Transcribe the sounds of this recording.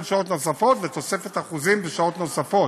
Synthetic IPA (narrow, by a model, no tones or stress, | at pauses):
lʃaot̪no̞safo̞t̪vet̪o̞se̞fet̪aχuzimbeʃao̞t̪no̞safo̞t